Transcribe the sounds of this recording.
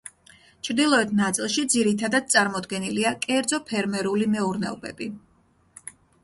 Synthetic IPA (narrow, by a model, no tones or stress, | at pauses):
t͡ʃʰɾd̪ilˠɔɛt̪ʰnat̪sʼilˠʃid̪ziɾit̪ʰad̪ad̪̚t̪sʼaɾmɔd̪ɡɛniliakʼɛɾd̪zɔpʰɛɾmɛɾulimɛuɾnɛɔbɛ̰bi